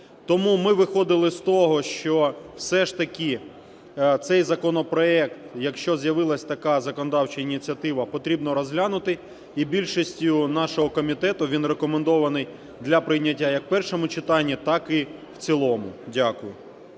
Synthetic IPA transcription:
t̪ɔmumɪʋɪxɔd̪ɪlˠɪst̪ɔɦɔʃt͡ʃɔwsɛʃt̪ɐkʲi | t̪sɛjzɐkɔnɔpɾɔɛkt̪jɐkʃt͡ʃɔzjɐʋɪlˠɐsʲt̪ɐkɑzɐkɔnɔd̪ɑwt͡ʃɐinʲit͡sʲiɐt̪ɪʋɐpɔt̪ɾʲibnɔɾɔzɦlʲanʊt̪ɪ | ibʲilʲʃisʲtʲʊnɑʃɔɦɔkɔmʲit̪ɛt̪ʊʋʲinrekɔmend̪ɔʋɐnɪj | d̪lʲɐpɾɪjnʲɐtʲːajɐkpɛrʃɔmʊt͡ʃɪt̪ɑnʲːit̪ɑkɪwt͡sʲilˠɔmʊdʲakʊjʊ

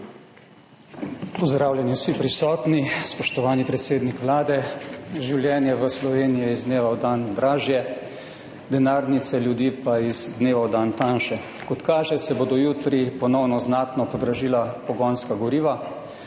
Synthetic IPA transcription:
pɔzd̪ɾaːwljɛniwsipɾisɔːt̪nispɔʃt̪ɔʋaːnipɾɛt̪seːd̪nikʋlaːd̪ɛʒiwljɛːnjɛʋəslɔʋeːnijɛizd̪neːʋawd̪and̪ɾaːʒjɛ | d̪ɛnaːɾnit̪sɛljud̪iːpaizd̪neːʋawd̪ant̪anʃɛ | kɔt̪kaːʒɛsɛbod̪ɔjuːt̪ɾipɔnɔwnɔznaːt̪nɔpɔd̪ɾaʒiːlapɔɡɔnskaɡɔɾiːʋa

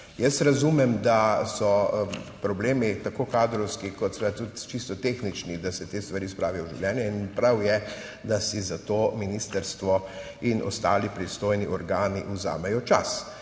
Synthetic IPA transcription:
jəst̪ɾazumɛmd̪asɔpɾɔbleːmit̪akoːkaːd̪ɾɔwskikɔt̪sɛt̪ut̪t͡ʃist̪ɔt̪exnit͡ʃnid̪asɛt̪eːst̪ʋaɾiːspɾaːʋijɔʒiwlʲjɛːnjɛinpɾawjɛ | d̪asizat̪oːminist̪əɾst̪ʋɔ | inʔɔ̰st̪aːlipɾist̪oːjniʔɔɾɡaːniʔuza̰ːmɛjɔt͡ʃa̰s

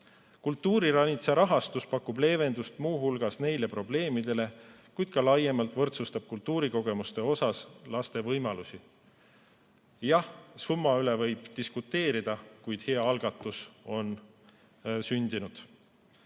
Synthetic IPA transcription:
kult̪ːuːɾiɾɑnʲit̪seɾɑɦɑst̪uspɑkːˑuble̞ːve̞nd̪ust̪muːɦulɡ̥ɑsne̞jle̞pro̞ble̞ːmid̪̥e̞le̞ | kujd̪̥̚kɑlɑjemɑlt̪ˑvɤ̞rt̪sust̪ɑb̥̚kult̪ːuːɾiko̞ɡ̥e̞must̪e̞o̞sɑslɑst̪e̞vɤjmɑlusi | jɑhsumːɑylevɤjb̥d̪̥iskut̪ːe̞ːɾid̪̥ɑkujd̪̥heɑɑlɡ̥ɑt̪ːˑuso̞n | synʲd̪̥inud̪̥

